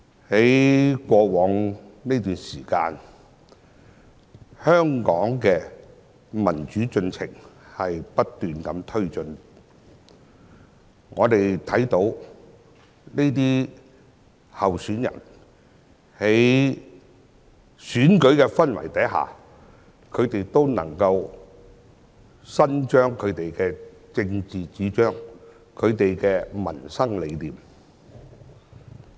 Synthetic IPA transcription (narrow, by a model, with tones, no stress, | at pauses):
he˨˥jkʷɔː˧wɔː˨˧˥ŋne˥t̪yː˨nsiː˨˩ka̰ː˧n | hœː˥ŋkɔː˨˥ŋkɛː˧ | mɐ˨˩nt͡ʃyː˨˥t͡sɵ˧nt͡sʰɪ̰˨˩ŋhɐ˨jpɐ˥t̚t̪ːyː˨nkɐ˨˥mt̪ʰɵ˥ɥt͡sɵ˨˧n | ŋɔː˨˧t̪e˨jt̪ʰɐ˨˥jt̪o˨˥w | ne˥jt̪̬iː˥ | hɐ˨wsyː˨˥njɐ̰˨˩n | he˨˥j | syː˨˥nkɵ˨˥ɥkɛː˧fɐ˥nwɐ̰˨˩jt̪ɐ˨˥jɦa̰ː˨ | kʰɵ˨˧t̪e˨jt̪o˥wnɐ̰˨˩ŋkɐ˧w | sɐ˥nt͡ʃœː˥ŋkʰɵ˨˧ɥt̪e˨jkɛː˧t͡sɪ˧ŋt͡siː˨t͡siː˨˥t͡ʃœː˥ŋ | kʰɵ˨˧ɥt̪e˨jkɛː˧mɐ˨˩nsɐ˥ŋle˨˧jliː˨˩m